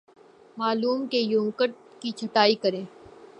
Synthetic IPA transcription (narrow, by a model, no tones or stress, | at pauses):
maːluːmkejũːŋkəɾʈ̪ | kit͡ʃʰɐʈaːikəɾẽː